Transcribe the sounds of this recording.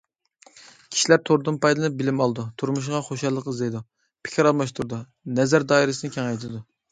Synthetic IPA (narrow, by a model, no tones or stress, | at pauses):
kʲʰi̥ʃilæɾt̪ʰoɾd̪ɨnpɑjd̪lɨnɨp̚bɪlɪmɑlˠd̪ut̪ʰuɾmuʃ̬ʁɑχoʃɑlˠːəqəzd̪ejd̪u | pʰɪ̥kʲʰiɾɑlˠmɑʃt̪uɾd̪u | nɛzæɾd̪ɑːiɾɪsɨnɨɪkʲʰɛŋɛjt̪ʰɨd̪u